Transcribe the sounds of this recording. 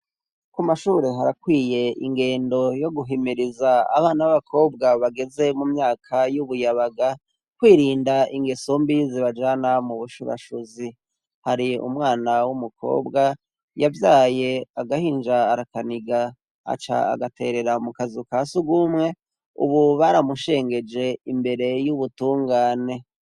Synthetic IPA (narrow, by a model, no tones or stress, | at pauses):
kumaʃuɾeɦaɾakwiːje̞ḭŋɡe̞ːndo̞jo̞ɡuɦimiɾizaa̰βaːnaβaβakʰo̞ːb̚ɡaβaɡe̞ze̞mumɲaːkʰajuβujaβaɡa | kwiːɾiːndaiŋɡe̞sombiziβad͡ʒanamuβuʃuɾa̰ʃuzi | haɾiṵmŋaːnawumukʰo̞̰ːbɡa | javjaːje̞aɡahiːnd͡ʒaːɾakaniɡa̰ː | t͡ʃa̰a̰ɡate̞ɾe̞ɾamukazikasubɡumŋe̞ | ṵβuβaɾamuʃe̞ːŋɡe̞d͡ʒe̞imbe̞ɾe̞juβutuːŋɡaːne̞